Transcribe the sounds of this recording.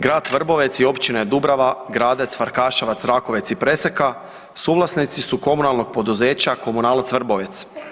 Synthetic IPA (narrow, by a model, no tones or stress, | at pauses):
ɡɾaːd̪ʋr̩bo̞ʋe̞t̪sio̞pt͡ɕinaed̪ubɾaʋaɡɾaːd̪e̞t̪sfaɾkaːʃaʋat̪sɾako̞ʋe̞t̪sipɾe̞seka | suːʋlˠasnit̪sisuko̞munalˠno̞ɡ̚po̞d̪uze̞ːt͡ɕako̞munaːlat̪sʋrbo̞ʋet̪s